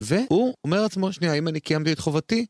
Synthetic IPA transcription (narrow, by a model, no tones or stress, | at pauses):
ve̞huomeʁat͡smo̞ʃniaimanikajamt̪iet̪χovat̪i